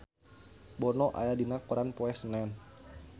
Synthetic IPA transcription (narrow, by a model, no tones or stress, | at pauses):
bɔnɔʔa̰jadinakːɔɾanpɔɛsnɛn